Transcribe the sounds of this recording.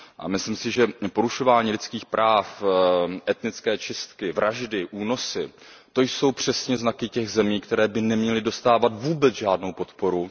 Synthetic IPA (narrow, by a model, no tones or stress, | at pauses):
ʔa̰mɪslɪmsɪʒɛpo̞ɾuʃo̞vaːɲiːlɪt͡skiːxpɾʔaːfʔɛt̪nɪt͡skɛːt͡ʃɪst̪kɪvɾaʒdɪʔuːno̞sɪ | t̪o̞jso̞wpr̝̥ɛsɲɛznakɪcɛɣzɛmiːkt̪ɛɾɛːbɪnɛmɲɛlɪdo̞st̪aːvat̪vuːbɛt͡sʒaːdno̞wpo̞t̪po̞ɾu